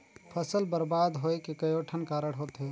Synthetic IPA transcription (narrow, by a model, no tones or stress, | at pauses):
pʰəsəlbəɾbaːd̪ɦoːekekəjoːʈʰənkaːɾəɽɦoːt̪ɦe